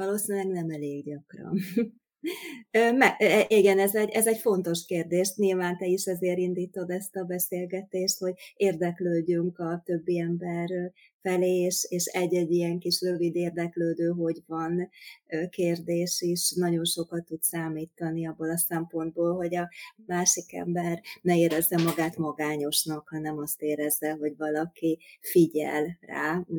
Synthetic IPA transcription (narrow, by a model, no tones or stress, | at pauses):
vɒloːsinylɛɡnɛmɛleːɡɟɒkrɒ̰n | øːmɛɛʔiɡɛnɛzɛɟʔɛzɛɟfo̞nt̪o̞ʃkeːrd̪eːʃɲilvaːnt̪ɛiʃɛzeːɾind̪iːt̪o̞d̪ɛst̪ɒbɛseːlɡɛt̪eːʃt̪ho̞ɟeːrd̪ɛkløːɟyŋkɒt̪øbːiɛmbɛr | fɛleːʃeːʃɛɟːɛɟːijɛŋkiʃrøvid̪eːrd̪ɛkløːd̪øːɦo̞ɟvɒn | keːrd̪eːʃeːʃnɒɟo̞nʃo̞kɒt̪ːut̪saːmiːt̪ɒniɒbːoːlɒsɛmpo̞nd̪̚boːlɦo̞ɟɒmaːʃikɛ̰mbɛrnɛeːɾɛzːɛmɒɡaːt̪mɒɡaːɲo̞ʃnɒkhɒnɛmɒst̪eːɾɛzːɛɦo̞ɟvɒlɒkifiɟɛ̰lra̰ː